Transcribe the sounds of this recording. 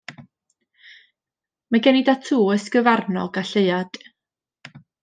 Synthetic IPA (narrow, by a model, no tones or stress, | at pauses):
maɡɛnidatʰuːəsɡəvarnɔ̰ɡaɬeɨad̥